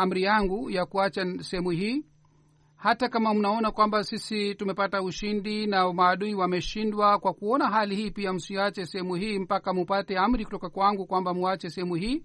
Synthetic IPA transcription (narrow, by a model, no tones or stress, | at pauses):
am̩ɾijaŋɡujakuat͡ʃasɛhɛmuhiː | hatakamam̩naɔnakwambasisitumɛpatauʃindinamaːɗuiwamɛʃindwakwakuɔnaɦalihiːpiam̩siat͡ʃɛsɛhɛmuhiːm̩pakamupatɛam̩ɾikutɔkakwaŋɡukwambamuat͡ʃɛsɛhɛmuhiː